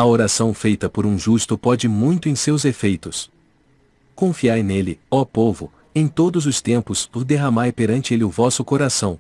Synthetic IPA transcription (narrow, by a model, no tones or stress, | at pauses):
ɐoɾasɐ̃w̃fejt̪ɐpoɾũʒust̪ʊpɔd͡ʒɪmũj̃t̪ʊẽj̃sewzefejt̪ʊs | kõfiajnelɪɔpovʊ̰ | ẽj̃t̪od̪ʊzʊst̪ẽmpʊspʊɾd̪eɦɐmajpeɾɐ̃nt͡ʃɪelɪʊvɔsʊkoɾasɐ̃w̃